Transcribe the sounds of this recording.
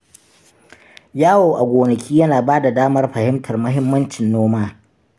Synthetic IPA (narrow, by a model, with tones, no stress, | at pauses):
jaː˦woː˨ʔa˨ɡʷoː˨nɐ˨kʲʰiː˦jɐ˦naː˨baː˦da˨daː˦mɐ˦rɸɐ˨hɪ˦mtʰɐ˨rmɐ˦ɦɪ˦mːɐ˦nt͡ʃɪ˨nːoː˦maː˦